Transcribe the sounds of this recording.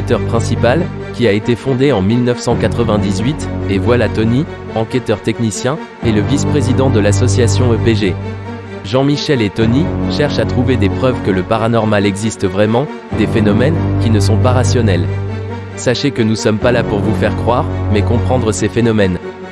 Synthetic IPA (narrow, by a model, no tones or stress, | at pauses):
t̪œʁpχɛ̃sipal | kʲiaet̪efɔ̃d̪eɑ̃milnəfsɑ̃kat̪χəvɛ̃d̪izɥit̪evwalat̪ɔni | ɑ̃kʲɛt̪œʁt̪ɛknisjɛ̃ | eləvispχezid̪ɑ̃d̪əlasɔsjasjɔ̃øpeʒe | ʒɑ̃miʃɛlet̪ɔniʃɛʁʃat̪χuved̪epχœvkələpaʁanɔʁmalɛɡzist̪vʁɛmɑ̃ | d̪efenɔmɛnkʲinəsɔ̃paʁasjɔnɛl | saʃekənusɔmpalapuʁvufɛʁkχwaʁmɛkɔ̃pχɑ̃d̪ʁəsefenɔmɛn